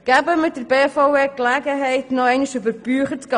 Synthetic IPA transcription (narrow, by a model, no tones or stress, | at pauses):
ɡ̥æbəmɪt̚d̥əɾbeːfoʊeːklæɡəɦɛɪtnɔɛɪnɪʃybəɾb̥yːχətkɑ